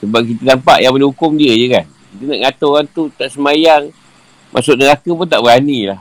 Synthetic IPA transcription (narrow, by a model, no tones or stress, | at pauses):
səbap̚kit̪ədampa̰ʔjaŋbəlehukʊmdiəjəkan | kit̪əna̰ʔŋat̪oɣant̪ut̪aʔsəmajaŋ | mʔa̰sʊk̚nəɾakəp̬ʊnt̪aʔbəɣanilah